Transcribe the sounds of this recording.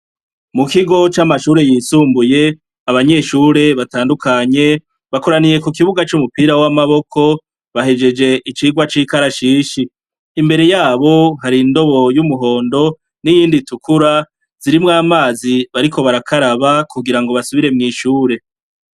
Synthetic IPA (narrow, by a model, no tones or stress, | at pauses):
mukiɡo̞t͡ʃamaʃuːɾe̞jiːsuːmbuje̞ | aβaɲe̞ːʃuːɾe̞βataːndukaɲe̞ | βako̞ɾanije̞kukiβuɡat͡ʃumupiːɾawamaβo̞kʰo̞ | βaɦe̞d͡ʒe̞d͡ʒe̞ʔit͡ʃiːɡwat͡ʃiːkaɾaʃiːʃiː | mbe̞ɾe̞jaːβo̞ɦaɾindo̞βo̞jumuɦo̞ːndo̞ | nijiːnditukʰuɾa | z̥iɾimŋaːmaːziβaɾikʰo̞βaɾakʰaɾaβakuɡiɾaŋɡo̞βasuβiɾe̞mŋiːʃuːɾe̞